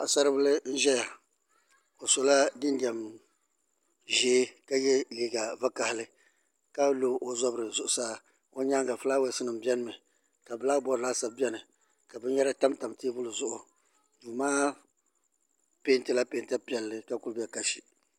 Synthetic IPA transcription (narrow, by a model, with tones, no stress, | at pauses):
a˨sa˦ɾɨ˦bɨ˦lɨ˦n̩˦ʒɛ˦ja˨ | o˨sɔ˨la˦dɪ˦ndɛ˨m | ʒeː˦ka˦jɛ˦li˨ɡa˨va˦ka˨hɪ˨lɨ˦ | ka˦lo˦˨ʔo˨zɔ˦bɾɨ˨zʊ˦˨ʔʊ˨saː˦ | o˦ɲa˦ŋɡa˨fɨ˦laː˦wɛ˦sɨ˦nɨ˨m̩˨bɛ˦nɨ˦mɨ˨ | ka˨bɨ˨la˦bɔ˦ɾɨ˨laː˦sa˨bbɛ˦nɨ˨ | ka˨bɛ˦ɲɛ˦ɾa˦ta˦mta˨mteː˦bʊ˦lɨ˨zʊ˦ʔʊ˨ | duː˨maː˦ | pe˦n˦tɨ˦la˦peː˨nta˦pɛ˨lːɨ˦ka˦ku˦lbɛ˨ka˨ʃi˨